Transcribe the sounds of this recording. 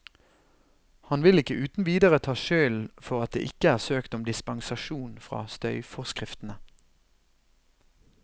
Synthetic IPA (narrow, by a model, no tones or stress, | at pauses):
hɑnʋɪlɪkəʔʉːt̪n̩ʋiːd̪əʁət̪ʰɑːʃøːlfɔʁɑt̪̚d̪ḛːʔɪkəæːʁsøːkt̪ɔmd̪ɪspɑŋsɑʃuːnfʁɑ̰ːst̪œʏfɔʁskʁɪft̪n̩ə